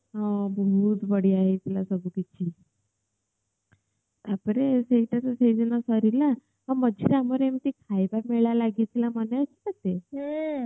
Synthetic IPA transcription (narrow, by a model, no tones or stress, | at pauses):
ɦãbəɦut̪bəɽiːaɦet̪ilasəɡukit͡ɕʰi | apəɾeseʈ̪at͡sased͡zənasɔɾila | əməd͡ʑiɾaməɾemt̪ikʰajbaɾmeɭjalaɡit̪ilamənat͡ɕikat̪ːe